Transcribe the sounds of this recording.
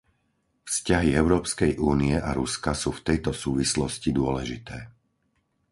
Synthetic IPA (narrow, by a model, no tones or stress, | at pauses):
fscaɦiɛʊɾɔːpskɛjʔuːniɛʔaɾuskasuːft̪ɛjt̪ɔsuːʋislɔscid̪ʊɔlɛʒit̪ɛː